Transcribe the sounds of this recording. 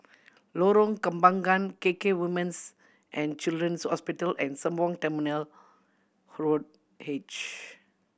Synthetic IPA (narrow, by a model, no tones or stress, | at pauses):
loɾɔ̃ŋkə̃mbãŋɡãnkekewimə̃ns | ʔɛ̃nt͡ʃildɹə̃nshɔspitəlʔɛ̰̃nsə̃mbɔ̃ŋtɛminəl | hɹod̚ | het͡ʃ